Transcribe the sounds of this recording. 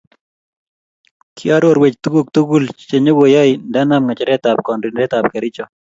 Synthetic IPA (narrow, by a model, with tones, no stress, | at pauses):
kʰɪ˦a˦ɾo˦ɾwe˨t͡ʃt̪u˦ɡo˦k̚t̪u˦ɡu˦lt͡ʃe˨ɲe˦wo˨jɔ˦ɪnda˦na˦mŋa˨t͡ʃɛ˦ɾɛt̪a˨p̚kɔ˨ndɪnɾɛ˦t̪a˨p̚kɛ˨ɾɪ˦t͡ʃɔ˨